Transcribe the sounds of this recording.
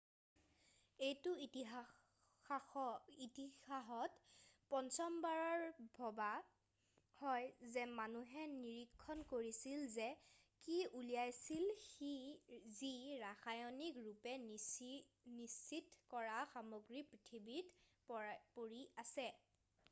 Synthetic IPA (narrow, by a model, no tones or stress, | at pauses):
ejtʊiti | itixaɦɔtpɔnsɔmbaɹɔɹbʱɔba | hɔjzɛmanuɦɛniɹikʰːɔnkoɹisilzɛ | kiulijajsilxiziɹaxajɔnikɹupɛ | nisːitkɔɹaxamoɡɹipɹitʰibit | poɹiasɛ